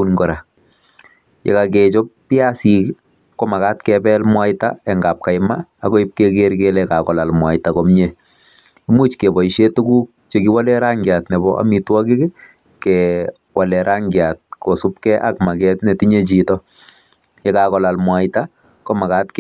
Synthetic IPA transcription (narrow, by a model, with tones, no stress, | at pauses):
unɡɔ˨ɾa˨ | jḛ˨kakɛt͡ʃɔ˦ppjasi˨ | ko˦ma˨ka˦tkɛbɛ˦lmwa˦ɪta̰ɛ˨ŋɡaː˨p̚ka˨jmaːkɔ˦i˦p̚kek̬eɾkelɛka˨kɔla˨lmwa˨ɪtakɔ˦mɲe | i˦mu˦t͡ʃkɛ˨bɔ˨iʃe˦tu˦ku˦k̚t͡ʃekiwa˦lɛ˦ɾa˦ŋɡjatnɛ˨bɔʔa̰˦mitwɔ˦kɪ˦k | kɛ | wʔalɛ˨ɾʔa˦ŋɡjat̚kɔ˨sup̚kɛʔa̰˦kma˨kɛ˦tne˨ti˦ɲe˦t͡ʃitɔ | jɛ˨kakɔla˨lmwa˨ɪta | kɔ˦ma˨ka˦tk